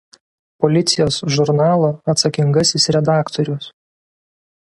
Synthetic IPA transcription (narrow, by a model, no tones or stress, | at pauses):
pɔlʲɪt̪sʲɪjoːsʒʊɾnɑːlˠoːɐt̪sɐkʲɪŋɡɐsʲɪsɾʲɛd̪ɑːkt̪ɔɾʲʊs